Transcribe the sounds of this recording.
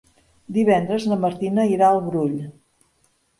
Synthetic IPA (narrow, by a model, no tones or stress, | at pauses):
d̪iβɛnd̪ɾəzləməɾt̪inəiɾaəlˠβɾuʎ